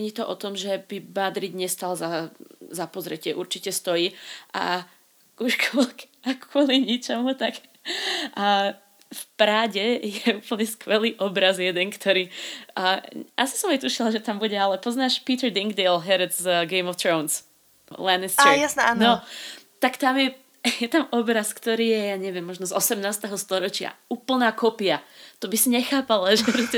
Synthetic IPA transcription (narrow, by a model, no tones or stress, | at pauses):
ɲɛɲiːt̪ɔʔɔt̪ɔmʒɛbibad̪ɾiɟɲɛst̪alzazapɔzɾɛcɪɛʔuɾt͡ʃicɛst̪ɔjiːʔa̰ | uʃkɔlakɔliɲit͡ʃɛmut̪akː | fpɾaːɟɛjɛuːpl̩ɲɛskʋɛliːʔɔbɾazjɛd̪ɛŋkt̪ʰɔɾiː | asi̥sɔmat̪uʃilaʒɛt̪ambuɟɛalɛpɔznaːʃpiːt̪ɛɾd̪iŋɡd̪ɛlˠɦɛɾɛd͡zɡɛɪmɔft̪ɾɔʊns | lɛnɛst͡ʃːɛjasnɛaːnnɔt̪akt̪amjɛ | jɛt̪amɔbɾaskt̪ɔɾiːjɛjaɲɛʋɪɛmːɔʒnɔzɔsɛmnaːst̪ɛɦɔst̪ɔɾɔt͡ʃɪa̰uːpl̩naːkɔpiat̪ɔbisiɲɛxaːpalaʒkɔt͡ʃitɛ